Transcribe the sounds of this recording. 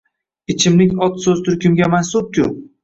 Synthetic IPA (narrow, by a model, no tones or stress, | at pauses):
ɪt͡ʃʰɪmlɪkʲɒt̪sɵzt̪ʰʊɾkʲʰʊmɡʲamansʊp̚kʰʲʊ̰